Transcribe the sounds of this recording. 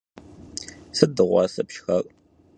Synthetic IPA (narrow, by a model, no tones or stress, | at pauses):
sɨdɨʁʷɑ̰ːsɐpʃxɐkʼ